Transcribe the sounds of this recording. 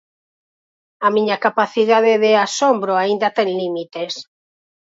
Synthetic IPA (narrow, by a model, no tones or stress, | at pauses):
amĩɲakapaθiðaðeðeasombɾoaind̪at̪ɛŋlimit̪es